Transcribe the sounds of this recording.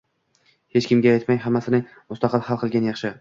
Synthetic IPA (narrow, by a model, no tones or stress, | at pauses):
he̞t͡ʃkʲɪmɡʲaajt̪majɦamːasɪnɪ | mʊst̪ɑqʰɨlˠhalˠqʰɨlˠɡʲanjɑχʃɪ